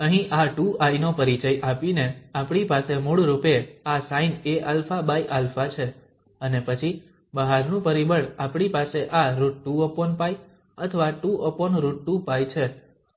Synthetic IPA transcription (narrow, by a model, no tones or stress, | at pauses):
əɦĩʔaʈuainopəɾit͡ʃəjʔapineapɳipasemoɽɾupeasaineʔalfabajʔalfat͡ʃʰe | ənepət͡ʃʰi | bəɦaɾnũpəɾibəɭapɳipaseʔaɾuʈʈuəponpaj | ət̪ʰəʋaʈuəponɾuʈʈupajt͡ʃʰe